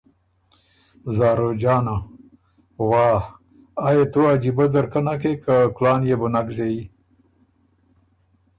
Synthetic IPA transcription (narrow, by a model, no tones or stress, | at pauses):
zɑːɾod͡ʒɑːna | wɑːh | ajet̪oad͡ʒibad̪əɾkanak̬ekaklɑːnjebunakzei